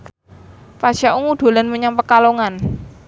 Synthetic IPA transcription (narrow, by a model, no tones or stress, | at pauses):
paʃaʔuŋuɖ̪̥o̤lanməɲampəkaloŋan